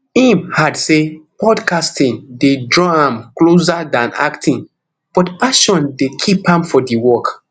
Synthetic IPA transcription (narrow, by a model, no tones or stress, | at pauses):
ĩmhadsepɔdkastĩŋdedɹɔãmklos̬adãna̰ktʰĩŋ | b̥ɔtpaʃɔ̃ndekʰipãmfɔdiwɔk